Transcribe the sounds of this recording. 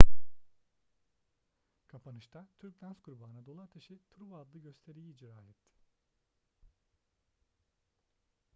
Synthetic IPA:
kʰapʰanɯʃt̪ʰat̪ʰyɾc̚d̪ʲansɡuɾubaːnad̪o̞lˠaɾt̪ʰeʃit̪ʰɾuvad̪lˠɯɟø̞st̪ʰe̞ɾijiːd͡ʒɾaːɛt̪ʰːɪ̥

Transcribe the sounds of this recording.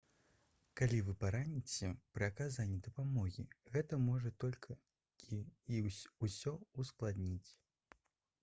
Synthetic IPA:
kalʲivɨpaɾanʲit͡sʲɛpɾɨakazanʲːid̪ɐpamɔɣʲḭɣɛt̪ɐmɔʐɐt̪ɔlʲkʰɐ | iiusʲɔusklˠad̪nʲit͡sʲ

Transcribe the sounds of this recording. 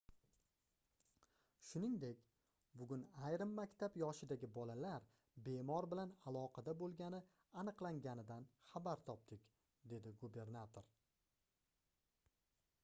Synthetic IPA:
ʃʊnɪŋd̪e̞kʲ | bʊɡʲʊnajɾɪmːakʲt̪ʰapjɒʃɪd̪aɡʲɪbɒlalaɾ | be̞mɒɾbɪlanalˠɒqʰɑd̪abolˠɡʲanɪ | anɨqlˠaŋɡʲanɪd̪anχabaɾt̪ʰɒp̚d̪̥ɪkʲ | d̪e̞d̪ɪɡube̞ɾnat̪ʰoɾ

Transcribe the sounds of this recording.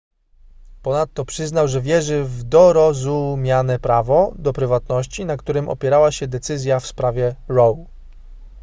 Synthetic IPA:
pɔnat̪ːɔpʂɘznawʐɛvʲjɛʐɘvd̪ɔɾɔzumʲjanɛpɾavɔd̪ɔpɾɘvat̪nɔɕt͡ɕinakt̪uɾɘmʔɔ̰pʲjɛɾawaɕɛd̪ɛt̪sɘzʲjafspɾavʲjɛɾɔw

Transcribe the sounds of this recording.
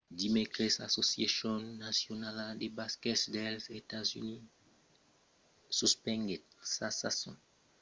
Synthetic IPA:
dimekʁɛsasosasɔ̃nːasjonaladebaskɛtsdɛlzetazy̰ni | suspɛ̃ŋɡetsasasɔ̰̃

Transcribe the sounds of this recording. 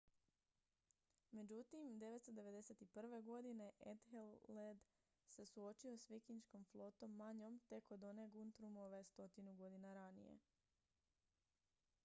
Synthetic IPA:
me̞d͡ʑut̪imd̪e̞ʋe̞t̪st̪od̪e̞ʋe̞d̪e̞se̞t̪ipr̩ʋe̞ɡo̞d̪ine̞ʔed̪helːed̪ | se̞suo̞t͡ʃio̞sʋikiɲt͡ʃko̞mflˠo̞t̪o̞mːaɲo̞mt̪e̞kod̪o̞neɡunt̪ɾumoʋe̞st̪o̞t̪inuɡo̞d̪inaɾanḭjḛ

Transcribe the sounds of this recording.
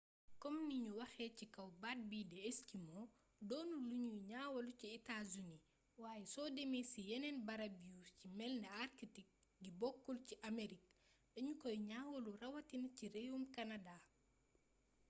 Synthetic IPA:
kɔmniɲuwɐxɛːcikɐwbat̚bidɛːskimɔ | dɔːnuluɲuɲaːwɐluciɛtazuni | waːjɛsɔːdemesijɛnɛnbɐɾɐbiucimɛlnɐarkitik̚ɡibɔkːulciʔameɾik̚dɐɲukɔjɲaːwɐlurɐwɐtinɐcirejumkɐnada

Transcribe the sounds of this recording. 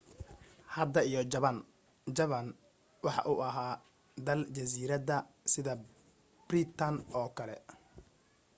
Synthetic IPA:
hɐd̪ɐijɔd͡ʒɐβɐn | d͡ʒɐβɐn | wɑħɑ̰ʔuʔɐɦaː | d̪ɐlt͡ʃɐs̬iːɾɐðɐ | sɪðɐ | b̥rit̪ʰɐnɔːkʰɐlɛ̰

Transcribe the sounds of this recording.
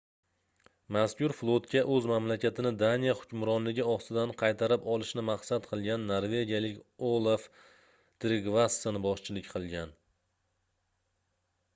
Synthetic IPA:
maskʲʊɾflˠot̪kʲʰaʔɵzmamlakʲat̪ʰɪnɪd̪anijahʊ̥kʲʊmɾɒnlɪɡʲɪɒst̪ɪd̪anqʰɑjt̪ʰaɾɪpɒlˠɪʃnɪmaqsat̪qʰɨlˠɡʲanːoɾvʲe̞ɡʲijalɪkʲolˠaf | t̪ɾɪɡvasːanɪbɒʃt͡ʃʰɪlɪkʲqʰɨlˠɡʲan

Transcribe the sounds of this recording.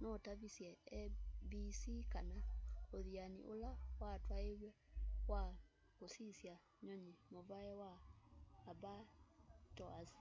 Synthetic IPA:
nɔtaβisjɛ | bisikanaoðianḭʔolawatwaewɛwa | kosisja | ɲɔɲemɔβaɛwaː | batɔazi

